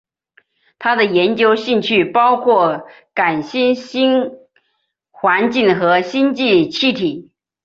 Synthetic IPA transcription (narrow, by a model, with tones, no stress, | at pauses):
t̪ʰa˥d̪ə˨jɛ˧˥nt͡ɕjo˥ʊɕi˥˧ŋt͡ɕʰy˥˩pɑ˥ʊkʰwɔ˥˩ | ka˨˩nɕi˥nɕi˥n | xwa˧˥nt͡ɕi˥˩ŋxɤ˧˥ɕi˥nt͡ɕi˥˧t͡ɕʰi˥˩t̪ʰi˨˩˦